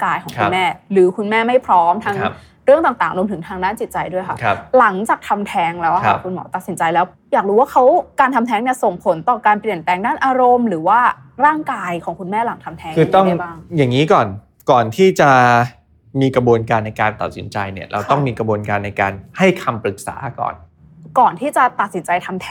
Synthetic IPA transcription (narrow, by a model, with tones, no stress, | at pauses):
kaː˧jkʰɔ˩˦kʰku˧nmɛː˥˩ɾɯː˩˦kʰu˧nmɛː˥˩ma˥˩jpʰɾɔː˦˥mt̪ʰa˦˥ŋ˦˧ | ɾɯ˥˩əŋt̪aː˨˩t̪aː˨˩ŋɾu˧mt̪ʰɯ˩˦ŋt̪ʰaː˧ŋdaː˥˩nt͡ɕi˨˩t̪̚t͡ɕa˧jdu˥˩əjkʰa˥˩kʰp̚la˩˦ŋt͡ɕaː˨˩k̚t̪ʰa˧mt̪ʰɛː˦˧˥ŋlɛː˦˥wa˥a̰ː˧˩kʰu˧nmɔ̰ː˩˦t̪a˨˩t̪̚si˩˦nt͡ɕa˧jlɛː˦˥w | jaː˨˩k̚ɾuː˦˥waː˥˩kʰa˦˥wkaː˧nt̪ʰa˧mnt̪ʰɛː˦˥ŋni˥˩ɐso˨˩ŋpʰo˩˦nt̪ɔː˨˩kaː˧npli˨˩ənpɛː˧ŋdaː˥˩nʔaː˧ɾo˧mɾɯː˩˦waː˥˩ | ɾaː˥˩ŋkaː˧jkʰɔː˩˦ŋkʰu˧nmɛː˥˩la˩˦ŋt̪ʰa˧mt̪ʰɛː˧˦ŋkʰɯː˧ɔ˥˩ŋa˧jbaː˥˩ŋjaː˨˩ŋːiː˦˥kɔː˨˩n | kɔː˨˩nt̪ʰiː˥˩t͡ɕa˨˩ | miː˧kɾa˧bu˧nkaː˧nːa˧jkaː˧nt̪a̰˨˩t̪̚sḭ˨˩˦nt͡ɕa˧jni˥˩ɐɾʔa̰˧wt̪ɔ˥˩ŋmiː˧kɾa˧buː˧ənkaː˧nːa˧jkaː˧nha˥˩jkʰa˧mpɾɯ˨˩k̚sa̰ː˩˦kɔ̰ː˨˩n | kɔː˨˩nt̪ʰiː˥˩t͡ɕa˨˩t̪a˨˩t̪̚si˩˦nt͡ɕa˧jt̪ʰa˧mt̪ʰɛ˦